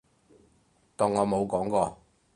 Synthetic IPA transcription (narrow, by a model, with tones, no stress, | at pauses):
t̪ɔː˨˩ŋɔː˨˧mo˨˧wkɔː˨˥ŋkɔː˧